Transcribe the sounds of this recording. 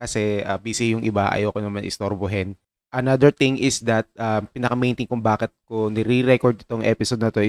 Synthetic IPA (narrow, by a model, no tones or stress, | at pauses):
kɐsɛʔabiːsɪjʊŋʔɪbaʔɐ̰joːkonɐmanʔɪ̰st̪oɾbʊɦɪn | ʔɐnad̪ɛɹt̪ɪŋʔɪsd̪ɐt̪̚ʔapinɐkɐmejnt̪ɪŋkʊŋbaːkɛt̪̚konɛɾiɾɛkoɹd̪ɪt̪oŋʔɛ̰pɪsod̪nɐt̪o̞ɪ